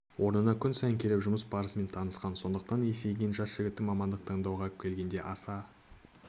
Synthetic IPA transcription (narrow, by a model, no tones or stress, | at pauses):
wʔo̞ɾnənɑkʲʰʏnsɑjəŋkʲʰe̞ɾepʒʊməsbɑɾəsme̞nt̪ʰɑnəsqɑnso̞nd̪əq̚t̪ɑnese̞jɡʲenʒɑsʒ̥ɪɡʲɪt̪ːɪmɑmɑnd̪əq̚t̪ʰəɴd̪ɑwʁɑkʲʰe̞lɡʲe̞nd̪e̞ʔɑsɑ